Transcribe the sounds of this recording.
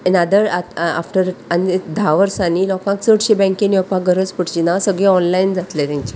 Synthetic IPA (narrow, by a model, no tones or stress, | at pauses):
enad̪əɾaa̰fʈəɾanid̪ʱaʋəɾsãniːlɔkãksəʈɕebɛ̃ŋkieniɔpãɡʱəɾəd͡zpəʈt͡ɕinasəɡɭẽɔnlaind͡zat̪let̪ĩnt͡ɕi̥